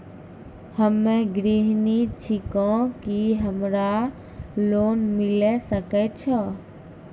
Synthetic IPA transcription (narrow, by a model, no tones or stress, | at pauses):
həmːɛ̃ɡɾiɦnit͡ʃʰɪkɔ̃kiɦəmɾa | loːnmɪlɛsəkɛt͡ʃʰɔ